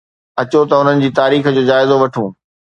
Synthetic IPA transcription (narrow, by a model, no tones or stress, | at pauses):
ɐt͡ɕot̪ɐʊn̤ənɪ̆d͡ʑiːt̪aːɾiːx̆d͡ʑoːd͡ʑaːɪzoʋɐʈʰũː